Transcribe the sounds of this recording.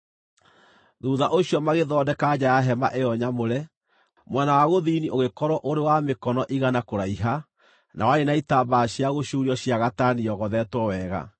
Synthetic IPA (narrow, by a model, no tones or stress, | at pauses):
ðuðaʔoɕiɔmaɣeðɔdɛkad͡ʑajaɦɛma̰ʔejɔɲamoɾɛ | mwɛnawaɣoðiniʔoɣekɔɾwɔʔoɾewamekɔnɔʔiɣanakoɾaiɦa | nʔa̰waenaitabaɕiaɣoɕuɾiɔɕjaɣataniɔɣɔðɛtwɔwɛɣa̰